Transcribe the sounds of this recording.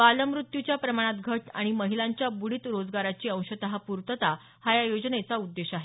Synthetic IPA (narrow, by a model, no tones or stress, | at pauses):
ʋaləmɾut̪jut͡ɕjapɾəmaɽ̃at̪ɡʱəʈa̰ɽ̃iməɦilaɲt͡ɕjabuɽiːt̪ɾod͡zɡaɾat͡ɕiːə̃w̃ɕət̪əɦapuɾt̪ət̪a | hajajod͡ʑnet͡saud̪ːeɕaɦe